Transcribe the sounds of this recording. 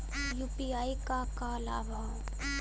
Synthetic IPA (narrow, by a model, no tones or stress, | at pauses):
juːpiaːikakalaːba